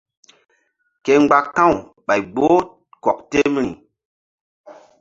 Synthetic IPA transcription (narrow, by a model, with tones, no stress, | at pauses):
ke˨ŋ͡mɡ͡ba˨k̚tã˦˨w | ɓa˨jɡ͡bo˦ | kɔ˨k̚te˦m˦ḭ˨